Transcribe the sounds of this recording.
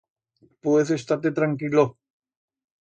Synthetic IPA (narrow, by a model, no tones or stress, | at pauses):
pwesest̪at̪̬et̪ɾaŋkilo